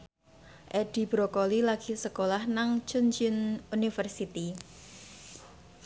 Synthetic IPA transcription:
ʔeɖ̥i̤b̥ɾokolilaɡ̥i̤səkolahnaŋt͡ʃʊnd͡ʒɪnunifərsit̪i

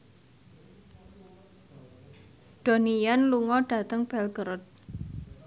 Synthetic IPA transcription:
d̥o̤nijanluŋɔɖ̥ä̤t̪əŋb̥ɛlɡ̥əɾʊt̪̚

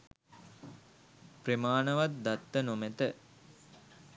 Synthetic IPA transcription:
premaːnəʋat̪̚d̪at̪ːənomet̪ə

